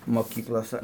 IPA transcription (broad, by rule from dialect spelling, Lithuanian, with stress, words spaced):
moːˈkʲiːklˠoːsɐ